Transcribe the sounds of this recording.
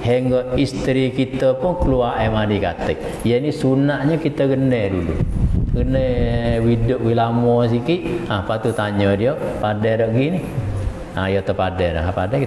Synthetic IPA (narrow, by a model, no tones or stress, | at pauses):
heŋɡəʔist̪ɾikit̪əpʊnkəluaʔemanikat̪əʔ | jənisunaʔɲəkit̪əɡənədulṵɡənewidʊʔwilamɔs̬ikiʔapat̪ut̪aɲədiopadɛɾəʔɡini | a̰jot̪əpadɛɾə̰ɦapadɛ